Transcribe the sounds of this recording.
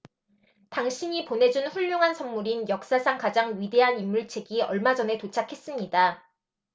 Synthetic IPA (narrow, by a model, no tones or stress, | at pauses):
taŋɕʰiɲipone̞d͡ʑunɸuʎːoŋɦansʰʌmmuɾinjʌk̚s͈asʰaŋkad͡ʑaŋɥide̞ɦanimːuɭt͡ɕʰeɡiʌɭmad͡ʑʌne̞tot͡ɕʰakʰe̞s͈ɯmɲida